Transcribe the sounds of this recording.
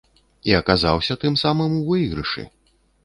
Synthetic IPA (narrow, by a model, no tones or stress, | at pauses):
iɐkazawsʲɐt̪ɨmsamɨmuvɨjɣɾɨʂɨ̰